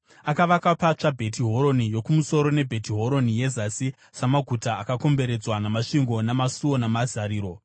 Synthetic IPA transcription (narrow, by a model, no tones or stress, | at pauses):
akaʋakapat͡ʂabʱe̞tiɦo̞ɾo̞nijo̞kumuso̞ɾo̞ne̞bʱe̞tiɦo̞ɾo̞nije̞zasi | samaɡʱutaːkako̞mbe̞ɾe̞d͡zwanamaʂiŋɡo̞namasuwo̞namazaɾiːɾo̞